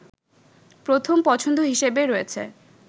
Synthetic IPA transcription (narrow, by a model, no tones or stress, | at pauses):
pɾot̪ʰompɔt͡ɕʰond̪ʱoɦiʃebeɾoet͡ɕʰḛ